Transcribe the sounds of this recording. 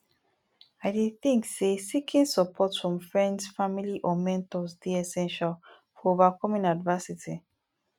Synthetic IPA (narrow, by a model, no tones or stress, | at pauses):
aɪdidθĩŋksesikʰĩnsəpʰɔtfɹɔ̃mfɹɛ̃ndsfamiliʔɔmɛ̃ntɔsdiɛsɛ̃nʃal | fɔovakʰɔmĩnadvɜsitʰi